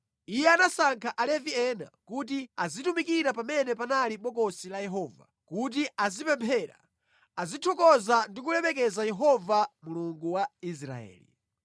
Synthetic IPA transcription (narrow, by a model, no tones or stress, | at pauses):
ijɛanasaŋkʰaʔalɛviɛna̰kut̬iazitumikiɾapamɛnɛpanaliɓɔkɔsilajɛɦɔːva̰ | kut̬iʔazipɛmpʰɛɾa̰ | azitʰɔkɔzandik̬ulɛmɛk̬ɛzajɛɦɔvamuluŋɡuwais̬ɾa̰ɛ̰ːlḭ